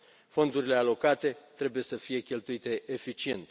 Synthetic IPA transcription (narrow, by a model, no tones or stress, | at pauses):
fo̞nd̪uɾile̞alo̞kat̪e̞t̪ɾe̞buje̞səfije̞kʲe̞lt̪uit̪e̞ʔefit͡ʃie̞nt̪